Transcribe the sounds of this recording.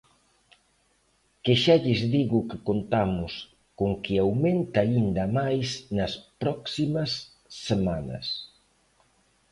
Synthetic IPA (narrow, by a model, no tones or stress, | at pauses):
keʃaʎɪzðiɣʊkɪkont̪amʊs | koŋkɪawment̪aind̪ɐmajsnɐspɾɔksimɐsː | emanɐ̰s